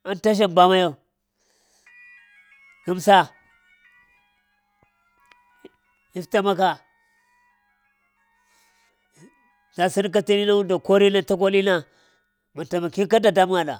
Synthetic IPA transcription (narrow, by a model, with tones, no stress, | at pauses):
a˦nta˦ʃ̬a˦˨mba˦ma˦jo˦ | ku˦msa˦ | i˦fta˦ma˦ka˨ | ta˨si˦n˦k̬a˦ti˦ni˦na˦wu˦ndo˨ko˦ɾi˦na˦ta˦k̬o˦li˦na˦ | ma˨ta˨ma˨ki˦ka˦da˨da˦m˦ŋa˨ɗa̰˨